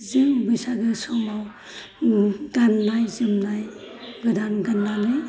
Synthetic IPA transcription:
zɯmbɯsaɡɯsɔmaw | ɡanːajzɯmnaj | ɡɯdanɡanːalɯ

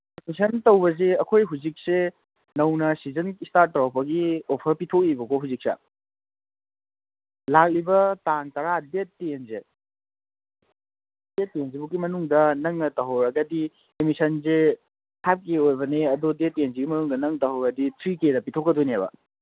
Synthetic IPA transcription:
emisɐntɐwbɐzeɐkʰojɦuzik̚se | nɐwnɐsizɐnistaɾ̚ːowpɐɡiopʰɐɾpitʰok̚ibɐkoɦuzik̚sɐ̰ | lak̚libɐtaŋtɐɾadetːenze | det̚ːenzebuɡimɐnuŋdɐnɐŋɐtɐɦɐwɾɐɡɐdi | emisɐnze | hʰap̚keojbɐneɐdodet̚ːenzeɡimɐnuŋdɐnɐŋtɐɦɐwɡɐditʰɾikedɐpitʰokːɐdonebɐ̰

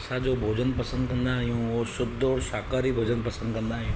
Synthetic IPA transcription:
sad͡ʒoːbʱoːd͡ʒənpəsə̃nd̪kɐ̃nd̪aːɦɦjũʋosʊb̚d̪oːɽsaːkaːɾibʱoːd͡ʒənpəsə̃nd̪kə̃nd̪aːijũː

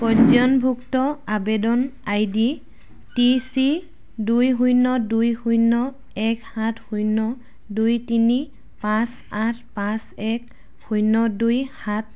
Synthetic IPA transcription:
kɔzɔnbʱuktɔabedɔnajdi | tisi | dujɦujnɔdujxujnɔ | ɛkhatʰhujnɔ | dujtini | pãs | atʰpãsɛk̚ | hujnɔdujhat̚

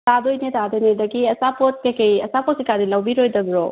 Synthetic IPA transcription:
tad̪ojnetad̪ojnedɐɡiɐsapot̚kekejɐsapot̚kekadilɐwbiɾojdɐɡɾo

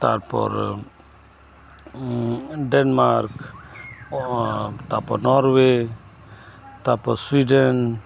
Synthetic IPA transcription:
t̪a̰ɾpɔ̰ɾ | ɖɛnmaɾk | t̪apɔnɔɾwe | t̪apɔswiɖɛn

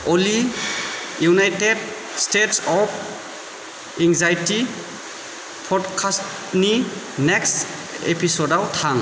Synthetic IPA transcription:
ɔli | junajted | stetsɔpʰ | ɛŋzajti | pʰɔdkʰast | ni | neks | ḛpʰisɔdawtʰaŋ

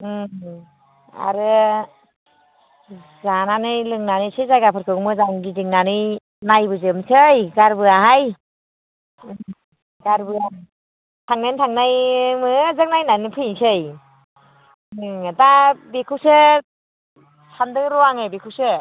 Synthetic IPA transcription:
ɯ | a̰ɾɯ | zananɯjlɯŋnanɯjsɯjzajɡapʰɯɾkʰɯmɯzaŋɡizɯŋnanɯj | najbɯzɯmsʰɯjɡaɾbɯaɦaj | ɡaɾbɯa | tʰaŋnajntʰaŋnajmɯzɯk̚najnanɯpʰɯjsɯj | dabekʰɯwsɯ | sandɯɾɔaŋɯbekʰuwsɯ

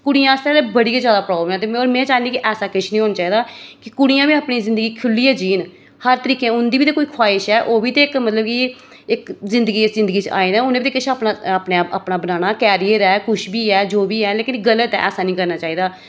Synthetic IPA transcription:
kʊɽijãːɪst̪əɾɛːt̪eːbəɽiːkezjaːd̪aːpɾaːblmɛ̃ːt̪eːmoːɾmɛ̃ːt͡ʃaːnd̪iːkiʔɛːsaːkɪt͡ʃʰnĩːɦoːnaːt͡ʃaːɦiːd̪aːkɪkʊɽijãːʋiːaːpɳiːzɪ̃nd̪əɡiːkʰʊlːiːɛːd͡ʒiːn | həɾt̪əɾiːkẽːʊnd̪iːbiːt̪eːkoːiːkʰwaːɪʃɛːʔoːʋiːt̪eːɪkmət̪ləb̚ki | ɪkzɪ̃nd̪əɡiːɪszɪ̃nd̪əɡiːt͡ʃa̰ːiːnɛ̃ːʊnẽbiːt̪eːkɪʃʰapnaaːpnẽpa̰ːpnaːbənaːñaːkɛːɾijəɾɛːkʊʃʰbiːɛːd͡ʒoːbiːɛːleːkɪnɡələt̪ːɛ̰ːsaːnĩːkəɾnaːt͡ʃaːiːd̪aː

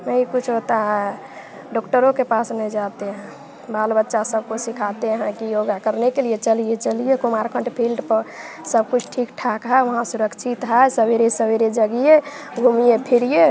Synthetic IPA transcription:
məikut͡ʃʰɦot̪aɦɛ | ɖɔkʈəɾõkepasnɛid͡ʒat̪eɦɛ̃ | balbətːʃasəb̚kosikʰat̪eɦɛ̃kijoɡakəɾnekeliet͡ʃəlijet͡ʃəlijekomaɾkʰə̃ɳʈpʰilɖpəɾ | səb̚kut͡ʃʰʈʰikʈʰakɦaeʋəɦãsuɾəkt͡ʃʰit̪ɦaesəbeɾesəbeɾed͡ʒəɡije | ɡʱumijepʰiɾije

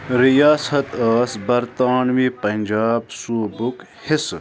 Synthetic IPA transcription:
ɾijaːsɐt̪ɐːsbɐɾt̪aːnwiːpɐnd͡ʒaːbsuːbuk | hɪs

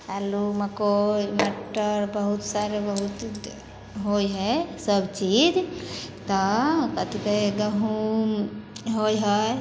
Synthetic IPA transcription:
kalumakomeʈːəɾbəɦut̪saɾebəɦut̪ | ɦojɦɛsəbt͡ʃid͡ʒt̪ɔkət̪ikeɡəɦumɦojɦɔ

